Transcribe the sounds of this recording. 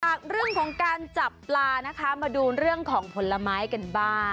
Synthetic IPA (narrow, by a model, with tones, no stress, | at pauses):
ʔaː˨˩k̚ɾɯ˥˩əŋkʰɔː˩˦ŋkaː˧nt͡ɕa˨˩pːlaː˧na˦˥kʰa˦˥maː˧duː˧ɾɯ˥˩əŋkʰɔː˩˦ŋpʰo˨˩˦lːa˧maː˦˥jka˧nbaː˥˩ŋ